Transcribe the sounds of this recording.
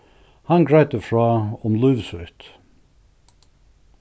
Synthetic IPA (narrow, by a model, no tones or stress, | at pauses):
hɑnɡɹæɪt̪əfɹɑːɔmlʉːʋsʉt̪